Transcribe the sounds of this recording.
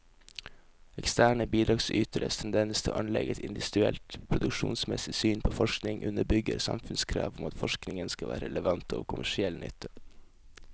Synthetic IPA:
ɛkst̪æːɳəbiːd̪ɾɑːɡsyːt̪ʰəɾə̰st̪ʰɛnd̪ɛnəst̪ʰəʔɑnlɛɡɛt̪ɪnd̪ɪʋɪd̪ʉɛlt̪pʰɾʊd̪ʉkʃṵːnsmɛsɪsyːnpʰoːfɔʃknɪŋʔʉnəbʏɡəɾsɑ̰mfʉnskʰɾɑ̰ːʋʊmɑt̪fɔʃknɪŋənskɑʋæ̰ːɾəɾɛləʋɑnt̪ʰo̰ːkʰʊmæʂɪɛlnʏ̰t̪ʰːə

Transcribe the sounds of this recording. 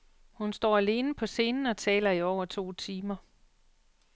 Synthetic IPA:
hunsd̥ɒ̰ːæle̝ːnəpʰɒ̽se̝ːnn̩ɒ̽t͡sʰɛ̰ːlɐiɒʊɐt͡sʰo̝̰ːt͡sʰiːmɐ

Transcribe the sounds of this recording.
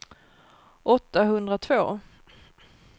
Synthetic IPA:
ʔɔt̪ːaɦɵnd̪ɾat̪ʰvoː

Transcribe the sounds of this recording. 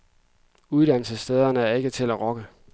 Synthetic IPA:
uð̞ˠd̥æn̰l̩səsd̥eːð̞ˠɐnəæɐe̝ɡ̥ət͡sʰe̝læʁɒ̽ɡ̥ə

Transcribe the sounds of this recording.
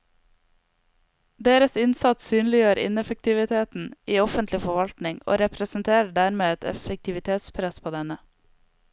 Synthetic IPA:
d̪eːɾəsɪnsɑt̪syːnlɪjøːɾʔɪ̰nɛfək̚t̪ɪʋɪt̪ʰeːt̪n̩iːɔfənt̪lɪfɔʋɑlt̪nɪŋo̰ːɾɛpɾəsn̩t̪ʰeːɾɖæːɾmeːɛt̪ʰɛ̰fək̚t̪ʰɪʋɪt̪ʰeːt̪spʰɾɛspʰoːd̪ɛnə

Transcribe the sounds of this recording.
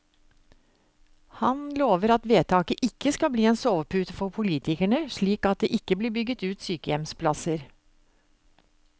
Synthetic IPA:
hɑnloːʋəɾɑt̪ʋeːt̪ʰɑːkəʔɪkːəskɑlbliːeːnsoːʋpʰʉːt̪əfɔɾpʰʊliːt̪ɪkæɳəʂɭiːkɑt̪̚d̪ḛːʔɪkːəbliːbʏɡət̪ʉːt̪syːkəjɛmspʰlɑsəɾ

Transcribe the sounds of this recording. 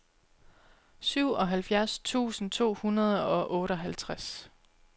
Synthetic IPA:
syʊ̰ɒ̽ɦælfjæɐst͡sʰṵːsn̩t͡sʰo̝̰ːhunɐð̞ˠɒ̽ʔɔ̽ːɾɒɦælt͡sʰʁas

